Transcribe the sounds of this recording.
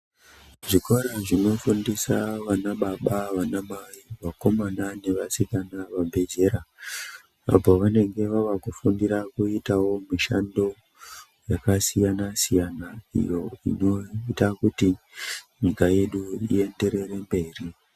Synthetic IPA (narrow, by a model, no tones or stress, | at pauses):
ʐiko̞ɾaʐino̞fundisaʋanaɓaɓaʋanamaiʋako̞manane̞ʋasikanaʋabʱe̞d͡ʒe̞ɾa | a̰poʋane̞ŋɡe̞ʋaʋakufundirakuitawo̞miʃando̞ | jakasijanasijanaḭjo̞ḭno̞itakuti | ɲikaje̞ɗuḭe̞nde̞ɾe̞ɾe̞mbe̞ːri